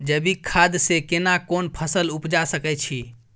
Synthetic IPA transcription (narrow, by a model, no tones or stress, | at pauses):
d͡ʒəbikʰad̪sekenakonpʰəsəlupd͡ʒasəkɛt͡ʃʰi